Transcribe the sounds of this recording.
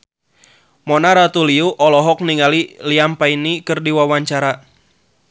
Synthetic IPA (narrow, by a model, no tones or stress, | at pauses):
mɔnaɾat̪uliuʔɔlɔɦɔk̚niŋaliliampainikɨrdiwawaɲt͡ʃaɾa